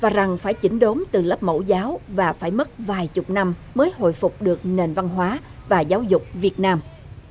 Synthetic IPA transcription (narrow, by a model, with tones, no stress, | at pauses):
vaː˨˩za˨˩ŋfaː˧˩jt͡ɕï˧˩˦ŋ̟ɗo˨˦mt̪ɨ˨˩lə˦˥p̚mo̰˧˩zaː˨˦wvaː˨˩faː˧˩jmə˦˥t̚vaː˨˩jt͡ɕʊ˨˩k͡p̚na˧mməː˨˦jho̰˧˨jfʊ˨˩k͡p̚ɗɨ˨˩ək̚ne˨˩nva˧nɦwaː˨˦ | vaː˨˩zaː˨˦wzʊ˨˩k͡p̚vi˨˩ət̚naː˧m